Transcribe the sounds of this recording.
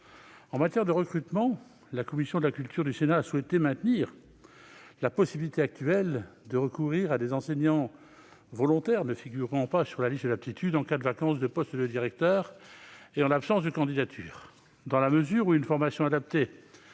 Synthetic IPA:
ɑ̃mat̪jɛʁd̪əʁəkχyt̪mɑ̃ | lakɔmisjɔ̃d̪əlakʲylt̪ʰyʁd̪ysenaːswɛt̪emɛ̃t̪niʁ | lapɔsibilit̪eak̚t̪yɛld̪əʁəkuʁiʁad̪ezɑ̃seɲɑ̃ | vɔlɔ̃t̪ɛʁnəfiɡʲyʁɑ̃pasyʁlalist̪ədlap̚t̪it̪ʰyd̪ɑ̃kad̪əvakɑ̃sd̪əpɔst̪d̪əd̪iʁɛk̚t̪œːʁeɑ̃lapsɑ̃sd̪əkɑ̃d̪id̪at̪ʰy̰ːʁ | d̪ɑ̃laməzyʁuynfɔʁmasjɔ̃ad̪ap̚t̪e

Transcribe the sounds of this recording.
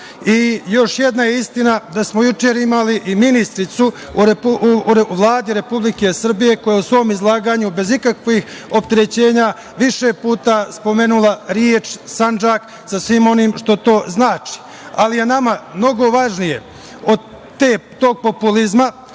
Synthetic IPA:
ijo̞ʃje̞d̪najeist̪inad̪asmojut͡ʃeːɾimaliʔiminist̪ɾit̪su | ɾepuɾʋlˠaːd̪iɾe̞publike̞sr̩bije̞kojeusʋo̞ːmizlˠaːɡaːɲube̞zikakʋixo̞p̚t̪e̞ɾe̞t͡ɕe̞ːɲa | ʋiʃe̞puːt̪aspo̞me̞ːnulaɾjeːt͡ʃsand͡ʒaːk | sasʋiːmo̞niːmʃt̪o̞t̪o̞ːznaːt͡ʃi̥ | alije̞namamno̞ɡo̞ʋaʒnije̞ | o̞d̪ | t̪eːt̪o̞ːɡ̚po̞pulizma

